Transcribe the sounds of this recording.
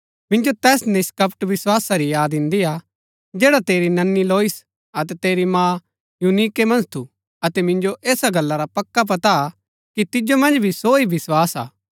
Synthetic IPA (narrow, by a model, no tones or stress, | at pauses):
mɪ̃nd͡ʒot̪ɛːsnɪskɐpʈʋɪswaːsaɾijaːd̪ɪ̃nd̪ija | d͡ʒɛːɽat̪eːɾinɐnːiloːis | ɐt̪ɛt̪eːɾimãː | junikemɐ̃nst̪ʰu | ɐt̪ɛmɪ̃nd͡ʒoʔeːsaɡɐlːaɾapɐkːap̬ɐt̪a | kit̪ɪd͡ʒomɐ̃nd͡ʒbʱisoːibɪswaːsa̰ː